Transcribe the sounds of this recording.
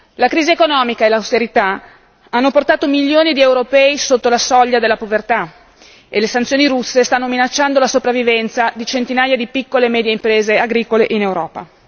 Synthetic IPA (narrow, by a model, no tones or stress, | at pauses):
lakɾiːziekonɔːmikaelawst̪eɾit̪a | anːoport̪aːt̪omiʎːoːnid̪iewɾopɛisot̪ːolasɔʎːad̪elːapovert̪a | elesant̪sjoːniɾusːest̪anːominat͡ʃːand̪olasopɾavːivɛnt̪sad̪it͡ʃent̪inaːjad̪ipikːolemɛːd̪jeimpɾeːzeaɡɾiːkoleʔinewɾɔ̰ːpa̰